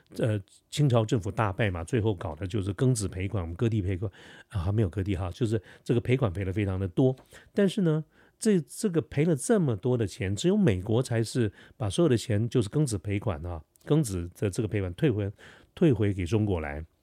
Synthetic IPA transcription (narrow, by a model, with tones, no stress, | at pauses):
ə˧ | t͡ɕʰi˥ŋʈ͡ʂʰɑ˧˥ʊʈ͡ʂɤ˥˩ŋfu˨˩t̪a˥˧pa˥˩ɪmɐ˩t͡swe˥˧ɪxo˥˩ʊkɑ˨˩ʊd̪ə˦t͡ɕjo˥˧ʊʂ̬ɻ̩˥˩kɤ˥ŋt͡sɹ̩˨˩pʰe˧˥ɪkʰwa˨˦nwɔ˨˩m˦ŋkɤ˥t̪̬i˥˩pʰe˧˥ɪkʰwa˨˩nə˧xme˧˥jo˨˩ʊkɤ˥t̪̬i˥˩xɑ˥˧t͡ɕjo˥˧ʊʂɻ̩˥˧ʈ͡ʂɤ˥˩ɡə˩pʰe˧˥ɪkʰwa˨˩npʰe˧˥ɪlə˧fe˥ɪʈ͡ʂʰɑ˧˥ŋd̪ə˨t̪wɔ˥t̪a˥˧nʂɻ̩˥˩nə˩ | ʈ͡ʂə˥˩ʈ͡ʂɤ˥˩ɡə˩pʰe˧˥ɪlə˨ʈ͡ʂɤ˥˩mə˩t̪wɔ˥d̪ə˨t͡ɕʰjɛ˧˥nʈ͡ʂɻ̩˧˥jo˧˥ʊme˨˩ɪkwɔ˧˥t͡sʰa˧˥ɪʂɻ̩˥˩pa˨˩swjo˨˩d̪ə˧t͡ɕʰjɛ˧˥nt͡ɕjo˥˧ʊʂ̬ɻ̩˥˩kɤ˥ŋt͡sɹ̩˨˩pʰe˧˥ɪkʰwa̰˨˩nxa˧˩ | kɤ˥ŋt͡sɹ̩˨˩d̪ə˧ʈ͡ʂɤ˥˩ɡə˩pʰe˧ɪkʰwa˨˩nt̪ʰwe˥˩ɪxwe˧˥ | t̪ʰwe˥˩ɪxwe˧˥ɪke˨˩ɪʈ͡ʂʊ˥ŋkwɔ˧˥la̰˧˥ɪ